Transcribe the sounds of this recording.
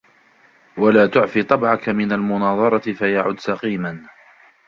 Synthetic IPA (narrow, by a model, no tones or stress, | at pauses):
walaːt̪ʊʕfiːt̪ˤɑbʕakamɪnalmʊnɑːðˤɑɾˤɑt̪ɪfajaʕʊd̪ːsɑqiːman